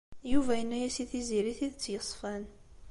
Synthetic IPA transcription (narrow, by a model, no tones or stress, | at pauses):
juvæjənːæjæsiθiziɾiθiðət͡sːjəsˤfæn